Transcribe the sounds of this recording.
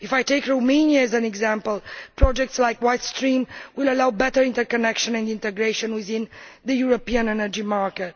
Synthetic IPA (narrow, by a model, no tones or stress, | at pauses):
ifajteɪkɹomẽnjaɛzãnɛɡzãmpəlpɾɔd͡ʒɛk̚tslajkwajtstɹĩmwɪlalawbɛtəɹĩntəɹkɔnɛkʃɔ̃nɛ̃ndĩntɛɡɾeʃɔ̃nwɪðĩnd̪əjuɹopiãnɛnəɹd͡ʒimaɹkɛt̚